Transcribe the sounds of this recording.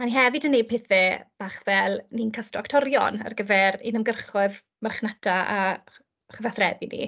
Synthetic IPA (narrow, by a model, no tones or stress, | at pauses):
maniɦɛvɨdənːejpʰɪθɛb̥aːχvɛlˠninkʰastɔktʰɔɾjɔ̰nə̰rɡəvɛɾinəmɡərχʊɨð | marχnatʰaa | χəvaθrɛbinḭ